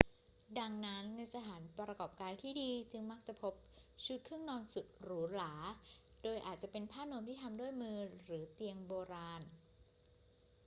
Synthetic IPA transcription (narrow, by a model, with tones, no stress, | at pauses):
da˧ŋna˦˥nːa˧jsa˧t̪ʰaː˩˦npɾa˧kɔː˨˩p̚kaː˧nt̪ʰiː˥˩diː˧t͡ɕɯ˧ŋma˦˥k̚t͡ɕa˨˩pʰo˦˥p̚t͡ɕʰu˦˥t̪̚kʰɯ˥˩əŋnɔː˧nsu˨˩t̪̚ɾɯː˩˦laː˩˦doː˧jʔaː˨˩t̪̚t͡ɕa˨˩ʔpe˧npʰaː˥˩nu˧əmt̪ʰiː˥˩t̪ʰa˧mdu˥˩əjmɯː˧ɾɯː˩˦t̪i˧əŋboː˧ɾaː˧n